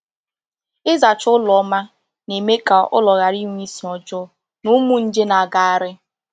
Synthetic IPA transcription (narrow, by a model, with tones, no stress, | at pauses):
ɪ˦za˨t͡ʃʊ˦lɔ˨˦ma˦ | ne˨me˦ka˨ʔʊ̰˦lɔ˨ɣa˨ɾi˦ŋʷ˦i˦si˨ɔ˨d͡ʒɔ˦ | nʊ˦mu˦n̩˦d͡ʒe˦na˨ɡa˨a˨ɾɪ˦